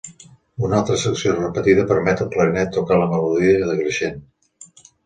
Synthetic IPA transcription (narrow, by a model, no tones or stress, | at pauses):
unalˠt̪ɾəsəksiorəpət̪iðəpəɾmɛt̪əlˠpləɾinɛt̪ːukaləməluðiəðəɣɾəʃen